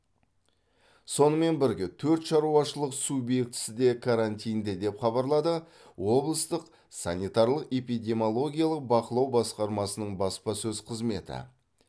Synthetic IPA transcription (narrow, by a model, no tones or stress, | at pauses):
so̞nəme̞nbɪɾɡʲe̞t̪ʰɵɾt̪ʃɑɾuɑʃəlˠəqsubje̞kt̪ɪ̥sɪd̪e̞kʰaɾant̪ijnd̪ed̪e̞pχɑbɑɾlˠɑd̪ə | wo̞blˠəst̪əq | sɑnʲijt̪ɑɾlˠəqepijd̪ʲe̞mʲolˠo̞ɡʲijalˠəq̚bɑqəlˠɑwbɑsqɑɾmɑsənəɴbɑspɑsɵzqʰəzme̞t̪ɪ̰